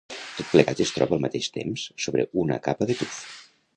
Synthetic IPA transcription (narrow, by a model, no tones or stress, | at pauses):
t̪ot̪̚pləɣat̪əst̪ɾɔβəːlˠmət̪eʃt̪ḛmsːoβɾə̰unə̰kapəðət̪uf